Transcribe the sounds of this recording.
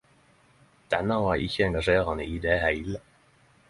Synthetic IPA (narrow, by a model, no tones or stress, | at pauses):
d̪̥ɛnəʋɑːɾʔɪ̰çəɛŋɡɑʂeːɾɑnəʔiːd̪ehæɪlə